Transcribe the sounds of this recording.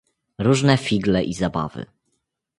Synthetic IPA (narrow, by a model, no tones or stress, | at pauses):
ɾuʐnɛfʲiɡlɛʔizaba̰vɘ̰